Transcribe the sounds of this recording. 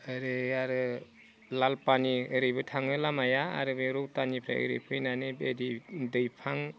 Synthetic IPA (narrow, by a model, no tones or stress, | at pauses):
ɯɾɯaɾɯ | lalpaniɯɾɯjbɯtʰaŋɯlamaja̰ːɾɯbɯɾuwtanipʰɾa̰ɯ̰ɾɯ̰pʰɯjnanɯbedidɯjpʰaŋ